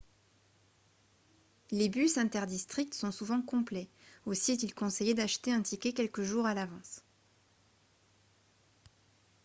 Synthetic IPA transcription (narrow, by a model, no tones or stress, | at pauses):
lebysɛ̃t̪ɛʁd̪ist̪χik̚t̪sɔ̃suvɑ̃kɔ̃plɛosiɛt̪̬ilkɔ̃sejed̪aʃt̪eɛ̃t̪ʰikʲɛkʲɛlkəʒuʁalavɑ̃s